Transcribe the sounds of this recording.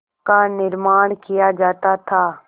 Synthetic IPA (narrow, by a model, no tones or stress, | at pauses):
kanɪɾmaːɽ̃kɪjad͡ʒaːt̪at̪ʰaː